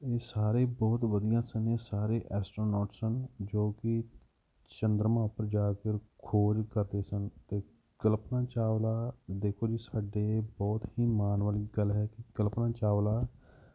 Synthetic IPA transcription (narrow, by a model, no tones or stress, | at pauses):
eːsaːɾeːbɔːt̪ʋəd̪ɪjãːsəneːsaːɾeːʔɛːsʈɾoːnɔːʈsənd͡ʒoːkɪ | t͡ʃənd̪ɾəmãːpəɾd͡ʒaːkəɾkʰoːd͡ʒkəɾd̪eːsənt̪eː | ɡ̥əlpnãːt͡ʃaːʋlaːd̪eːkʰoːd͡ʒiːsaːɖeːbɔːt̪hiːmaːnʋaːliːɡəlɦɛːkɪɡəlpnãːt͡ʃaːʋlaː